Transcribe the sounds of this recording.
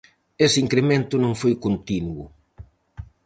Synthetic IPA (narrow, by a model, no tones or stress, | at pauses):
esɪiŋkɾemẽnt̪ʊnõŋfojkont̪inwʊ